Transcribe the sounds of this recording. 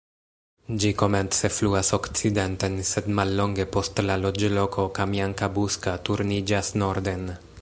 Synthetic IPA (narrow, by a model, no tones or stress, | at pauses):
d͡ʒiko̞me̞nt͡se̞fluaso̞kt͡side̞nte̞nse̞dmalːo̞ŋɡe̞po̞stlalo̞d͡ʒlo̞kʰo̞kamjaŋkabuskatuɾnid͡ʒasno̞ɾd̪e̞n